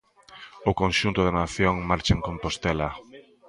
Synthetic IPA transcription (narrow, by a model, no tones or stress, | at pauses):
ʊkonʃunt̪ʊðenaθjoŋmaɾt͡ʃaeŋkõmpost̪ela